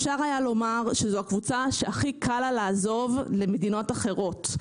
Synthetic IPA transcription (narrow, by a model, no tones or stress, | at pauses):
ʃaʁajalo̞maʁʃezoakvut͡saʃeaχikʰalalaːzo̞vle̞medino̞taχe̞ʁo̞t